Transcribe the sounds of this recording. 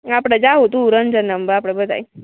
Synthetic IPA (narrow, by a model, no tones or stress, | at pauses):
apɽ̃əd͡ʑaɦot̪ũuɾənd͡ʑənəmbəɾapɽ̃əbəd̪a̰j